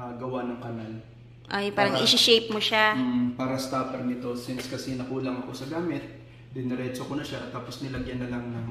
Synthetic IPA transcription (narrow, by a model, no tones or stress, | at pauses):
ɐɡɐwanɐŋkɐnal | ʔajpaːɾɐŋʔɪʃɪʃejp̚moʃam̩paːɾɐst̪aːpɛɾnɪt̪o̞sɪnskɐsɛnɐkuːlɐŋɐko̞sɐɡaːmɪt̪̚ | d̪ɪnɪɾɛt͡ʃokonɐʃat̪ːaːpo̞snɪlɐɡjɐnːɐlaŋnɐŋ